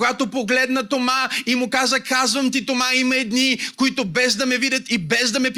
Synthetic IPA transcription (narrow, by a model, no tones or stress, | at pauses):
ɡat̪opoɡlɛd̪nɐt̪omaimʊkazəkazvɐmt̪̬it̪omaimɐɛd̪nikoit̪ʊbɛzd̪ɐmɛvidʲət̪ibɛzd̪ɐmɛp